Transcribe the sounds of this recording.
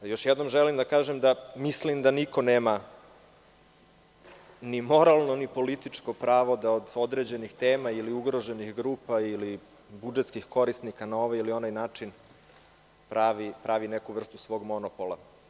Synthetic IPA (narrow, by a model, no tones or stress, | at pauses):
jo̞ʃjɛd̪no̞mʒelimd̪akaːʒemd̪amislimd̪aniko̞neːma | nimo̞ɾalˠno̞nipo̞lit̪it͡ʂko̞pɾaːʋo̞d̪aod̪o̞d̪ɾeːd͡ʑe̞nixt̪eːmailiuɡɾo̞ʒe̞nixɡɾuːpaili | bud͡ʒet̪skixko̞ɾisnikanao̞ʋailio̞najnaːt͡ʂin | pɾaʋipɾaʋinekuʋr̩st̪usʋo̞ːɡmo̞nopolˠa